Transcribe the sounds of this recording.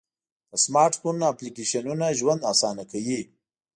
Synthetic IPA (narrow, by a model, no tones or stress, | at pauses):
t̪əsmɑɾʈfunːaplikeʃanunaʒwand̪asɑnakawi